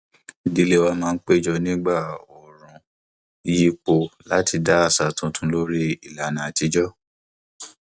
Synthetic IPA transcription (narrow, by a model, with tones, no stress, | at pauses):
di˨˧le˦wa˧mãː˦˧n̩˦k͡pe˦d͡ʒɔ˧nĩ˦ɡ͡ba˦˨ɔ˨ɾ̃ũ˨ | ji˦k͡po˧la˦tʰi˧da˦a˦˨sa˨tũ˨˦tʰũ˧˦lo˦ɾi˦i˨la˨nã˨ti˨˧˦d͡ʒɔ˦